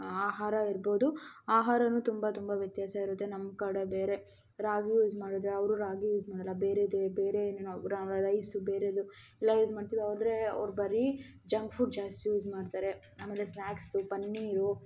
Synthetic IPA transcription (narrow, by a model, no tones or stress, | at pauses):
aːɦaːɾɐiɾboːd̪uaːɦaːɾɐnuːt̪umbɐt̪umbɐʋjɐt̪jaːsɐiɾut̪ːenɐmkɐɽɐbeːɾe | ɾaːɡjuːzmaːɽid̪ɾeɐʋɾuɾaːɡijuːzmaːɽɐlːɐbeːɾed̪ebeːɾennɾaɾɐjsubeːɾed̪u | lɐjuzmaːɖt̪id̪ɐʋd̪ɾeɐ̰ʋɾbɐɾi | d͡ʒɐŋɡfʰuɖ̚d͡ʒaːst̪ijuːd͡ʒmaːɖt̪aːɾe̞ | aːmeːlesnaːksupɐnːiːɾu